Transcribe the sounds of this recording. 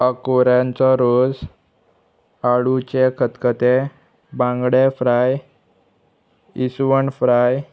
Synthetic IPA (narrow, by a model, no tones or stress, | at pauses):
əkoɾjãnt͡sɔɾod͡z | aɽut͡ɕekʰət̪kət̪e | bãŋɡɽefɾaj | isʋəɳfɾaj